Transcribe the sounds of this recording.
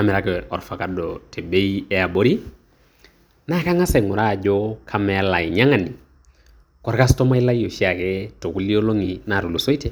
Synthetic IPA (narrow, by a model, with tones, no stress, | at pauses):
a˦mɪ˨ɾa˦kɛɔ˨ɾfa˨ka˨dɔ˨tʰe˨be˦i˦ɛ˦a˨bo˦ɾi˦ | na˦ka˦ŋa˦sɛ˨ŋʊ˨ɾa˦˨d͡ʒɔ˦kʰa˦mɛ˨˦la˨i˨ɲa˦ŋa˨ni˨ | kɔ˨ɾka˦stɔ˦ma˦i˦la˦i˦jo˨ʃi˦a˨kɛ˦to˨ku˦li˦o˦lo˦ŋi˨na˨ɾu˨lu˨so˦i˦te˨